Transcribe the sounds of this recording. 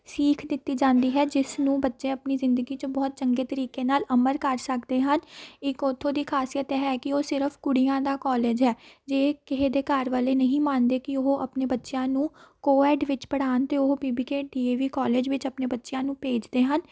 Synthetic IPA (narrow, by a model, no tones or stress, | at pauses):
siːkʰd̪ɪt̪ːiːd͡ʒãːnd̪iːɦɛːd͡ʒɪsnũːbətːʃẽːəpniːzɪ̃nd̪əɡiːt͡ʃəbɔːt̪̚t͡ʃəŋɡeːt̪əɾiːkeːnaːləməɾkəɾsəkd̪eːɦənɪkɔːt̪ʰːõːd̪iːkʰaːsijət̪ɛːɦɛːkɪoːsɪɾəpʰkʊɽijãːd̪aːkɔːleːd͡ʒɦɛːd͡ʒeːkɪɦeːd̪eːkəɾʋaːleːnəɦĩːmãːnd̪eːkɪoɦʔəpneːbətːʃjãːnũːkoːɛːɖʋɪt͡ʃpəɽaːnt̪eːoɦobiːbiːkeːɖiːeːʋiːkɔːleːd͡ʒʋɪt͡ʃəpneːbətːʃjãːnũːpeːd͡ʒd̪eːɦən